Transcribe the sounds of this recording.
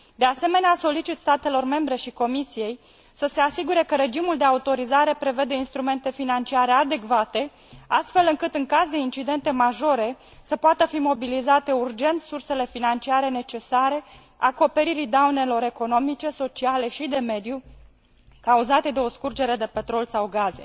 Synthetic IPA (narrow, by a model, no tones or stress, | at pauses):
d̪e̞ase̞me̞neaso̞lit͡ʃit̪st̪at̪e̞lo̞rme̞mbɾe̞ʃiko̞misije̞j | səse̞asiɡuɾe̞kəɾe̞d͡ʒimuld̪e̞aut̪o̞ɾizaɾe̞pɾe̞ve̞d̪e̞inst̪ɾume̞nt̪e̞finant͡ʃiaɾe̞ad̪e̞kvat̪e̞ | ast̪fe̞lɨŋkɨt̪ɨŋkazd̪eint͡ʃid̪e̞nt̪e̞maʒo̞ɾe̞ | səpoat̪əfimo̞bilizat̪e̞urd͡ʒe̞nt̪surse̞le̞finant͡ʃiaɾe̞ne̞t͡ʃe̞saɾe̞ | ako̞pe̞ɾiɾid̪aune̞lo̞ɾe̞ko̞no̞mit͡ʃe̞so̞t͡ʃiale̞ʃid̪e̞me̞d̪ju | kauzat̪e̞d̪e̞o̞skurd͡ʒe̞ɾe̞d̪e̞pe̞t̪ɾo̞lsawɡaze̞̰